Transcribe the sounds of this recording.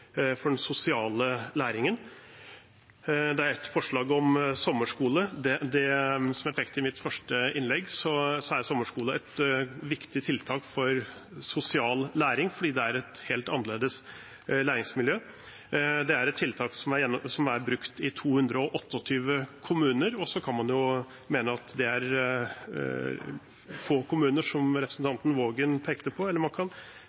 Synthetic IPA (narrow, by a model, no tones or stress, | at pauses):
fɔɖɛnsʊsɪɑːləlæːɾɪŋən | d̪ɛæɾɛt̪fɔʂɭɑːɡɔmsɔmːəʂkuːləd̪ɛd̪ɛsɔmæɾt̪ʰɛkt̪ɪmɪt̪ːfœʂʈəɪnlɛɡːsɔsɔæɾsɔmːəʂkuːləɛt̪ʋɪkt̪ɪt̪ʰɪlt̪ʰɑːkfɔɾsʊsɪɑːllæːɾɪŋfɔɖiːd̪ɛæɾɛt̪heːlt̪ɑnːəleːd̪əs | læːɾɪŋsmɪljøː | d̪ɛæɾɛt̪ʰːɪlt̪ʰɑːksɔmæɾjɛnːɔsɔmæɾbɾʉkt̪ɪt̪ʰuːhʉnd̪ɾəɔʔɔt̪ːəɔt̪ʰyːʋəkʰʊmʉːnəɾɔsɔkʰɑnmɑnjʊ | meːnəɑt̪d̪ɛæɾ | foːkʊmʉːnəʂɔmɾɛpɾəsn̩t̪ʰɑnt̪n̩ʋoːɡənpʰeːkt̪əpʰɔɛlːəmɑnkʰɑn